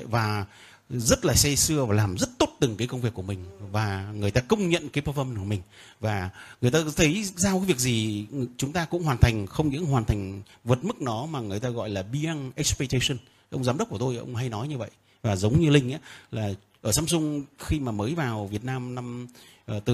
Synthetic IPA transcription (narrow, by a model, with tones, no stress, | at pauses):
vaː˨˩ | zə˦˥t̚laː˨˩sɛ˧sɨ˧əvaː˨˩laː˨˩mzə˦˥t̚t̪o˦˥t̚t̪ɨ˨˩ŋkaː˨˦kə˧wŋ͡mvi˨˩əkːu˧˩əmï˨˩ŋ̟vaː˨˩ŋɨ˨˩əjt̪aː˧kə˧wŋ͡mɲə̰˧˨nkaː˨˦jpə˧fɔ˧m˧nkmï˨˩ŋ̟vaː˨˩ŋɨ˨˩əjt̪aː˧t̪ʰə˨˦jzaː˧wkaː˨˦vi˨˩ək̚zi˨˩t͡ɕʊ˨˦ŋ͡mt̪aː˧kʊ̰˧˥ŋ͡mhwaː˨˩nt̪ʰa˨˩jŋ̟xə˧wŋ͡mɲɨ̰˧˥ŋɦwaː˨˩nt̪ʰŋ̟və˨˩t̚mɨ˦˥k̚nɔ˨˦maː˨˩ŋɨ˨˩əjt̪aː˧ɣɔ̰˧˨jlaː˨˩ɓi˧ʔa˧ŋʔɛ˦˥k̚spɛ˧k̚t̪e˧sə˧n | ʔə˧wŋ͡mzaː˨˦mɗə˦˥k͡p̚ku˧˩t̪o˧jʔə̰˧wŋ͡mɦa˧jnɔ˨˦jɲɨ˧və̰˧˨jʔ | vaː˨˩zə˨˦wŋ͡mɲɨ˧lï˧ŋ̟ʔaː˨˦laː˨˩ | ʔəː˧˩saː˨˧˦msʊ˧ŋ͡mxi˧maː˨˩məː˨˦jvaː˨˩wvi˨˩ət̚naː˧mna˧m | ʔəː˨˩t̪ɨ˨˩